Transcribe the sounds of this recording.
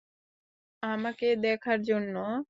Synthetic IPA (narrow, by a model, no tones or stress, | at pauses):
amaked̪ɛkʰaɾd͡ʑonːo